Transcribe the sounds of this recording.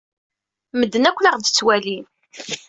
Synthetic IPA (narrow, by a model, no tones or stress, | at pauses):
məd̪ːənækʷːləʁd̪ət͡sːwæli